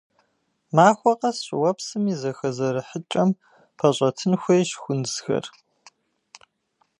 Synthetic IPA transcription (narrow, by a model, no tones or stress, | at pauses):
maːxʷɔqɐsʼwɐpsɨmizɐxɐzɐɾɨħət͡ʃʼɐm | pʰɐɕʷʼɐtʰɨnxʷejʃxʷʊnzxɐ̰r